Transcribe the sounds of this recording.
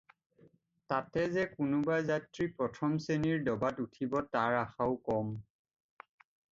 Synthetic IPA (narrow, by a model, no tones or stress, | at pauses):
tatɛzɛkʊnʊbajzatɹipɹɔtʰɔmseniɹdɔbatutʰibɔtaɹaxaʊkɔm